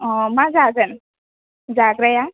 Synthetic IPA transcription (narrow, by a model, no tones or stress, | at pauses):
mad͡zad͡zən | d͡zaɡɾəja